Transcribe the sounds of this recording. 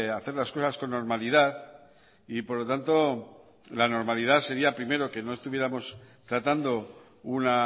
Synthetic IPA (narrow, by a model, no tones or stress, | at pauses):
aθe̞ɾlasko̞sasko̞nːo̞ɾmalið̞að | ipo̞ɾlo̞t̪ant̪o̞ | lano̞ɾmaliðase̞ɾiapɾime̞ɾo̞ke̞no̞est̪uβje̞ɾamo̞st̪ɾat̪and̪o̞ | una